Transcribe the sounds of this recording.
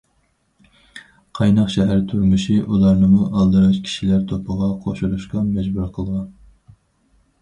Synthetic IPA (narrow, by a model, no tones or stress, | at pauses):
qʰɑjnɑqʃɛɦæɾt̪ʰuɾmɨʃiʔulˠɑɾnɨmuʔɑlˠd̪ɨɾɑt͡ʃkʲʰi̥ʃilæɾt̪ʰopʰəʁɑqʰoʃuɾuʃqɑmɛd͡ʒbuɾqʰəlˠʁɑn